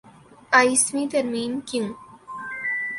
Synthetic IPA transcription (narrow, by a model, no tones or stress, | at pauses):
ajsmĩt̪ɐɾmiːnkiŋ